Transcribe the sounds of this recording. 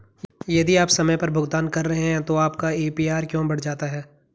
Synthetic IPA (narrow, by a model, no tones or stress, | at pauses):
jɐd̪iaːpsɐməjpɐɾbʱʊɡt̪aːnkɐɾːɐɦeɦɛ̃t̪oaːpkaeːpiːaːɾkjõːbɐɽ̤d͡ʒaːt̪aɦɛː